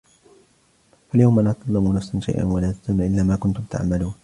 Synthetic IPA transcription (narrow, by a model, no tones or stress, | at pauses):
faljawmʔanʔak̪ɑlˤːɑmunafsanʃa̰jʔa̰nwalaːt̪ḁzamaʔɪlːaːmaːkʊnt̪ʊmt̪a̰ʕmaluːn